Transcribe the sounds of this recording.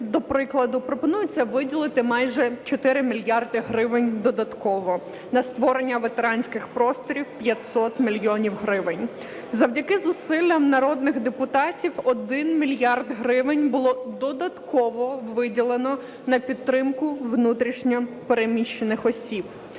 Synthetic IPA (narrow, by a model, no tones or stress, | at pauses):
d̪ɔpɾɪklˠɐd̪ʊpɾɔpɔnujʊt͡sʲːɐʋɪdʲilˠɪt̪ɪmɑjʒɛt͡ʃɔt̪ɪɾɪmʲilʲjɑrd̪ɪɦɾɪʋɪnʲd̪ɔd̪ɐt̪kɔʋɔ | nɐst̪ʋɔɾe̞nʲːɐʋet̪eɾɑnʲsʲkɪxpɾɔst̪ɔɾʲiwpʲjɐtʲsɔt̪mʲilʲjɔnʲiwɦɾɪʋɪnʲ | zɐwdʲɐkɪzʊsɪlʲːɐmnɐɾɔd̪nɪɣd̪epʊt̪ɑtʲiwɔd̪ɪnmʲilʲjɑrd̪ɦɾɪʋɪnʲbʊlˠɔd̪ɔd̪ɐt̪kɔʋɔʋɪdʲilˠenɔ | nɐpʲidt̪ːɾɪmkʊʋnut̪ɾʲiʃnʲɔpeɾemʲiʃt͡ʃːenɪxɔsʲib